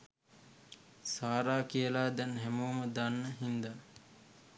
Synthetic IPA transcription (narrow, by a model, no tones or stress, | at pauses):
saːɾaːkiəlaːd̪ɛnɦæmuːməd̪anːəɦind̪a